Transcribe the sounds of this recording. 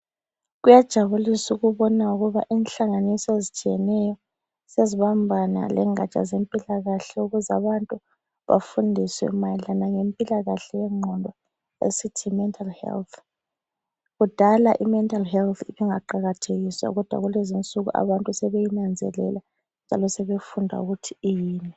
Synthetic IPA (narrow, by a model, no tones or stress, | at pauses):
ɣujad̥ʒ̥ʱaβulisuɣuβɔnauɣuβa̰ʔiːnɬaŋanisɔezit͡ʃʼijɛnɛjɔ | seziβambʱana̰lɛ̰ŋa̰t͡ʃʼa̰zempʼilaɣaɬɛuɣuza̰βantʼu | βa̰fundʱisɛ̰mailanaŋempʼilaɣaɬɛwɛŋ͡ǃʱɔndʱɔ | ḛsitʰimɛntʰʼalhɛ̰lt̪ʰ | ɣud̥ʱalaʔimɛntʼalɦɛlt̪ʰiβiŋaǃaɣatʰeɣiswa̰ɣɔd̥ʱwa̰ɣulezint͡sʼuɣṵʔa̰βantʼusɛβejinand͡zʱɛ̰lɛ̰la | nd͡ʒʱalɔsɛβefundʱa̰ṵɣutʰi̥ːjiːnɛ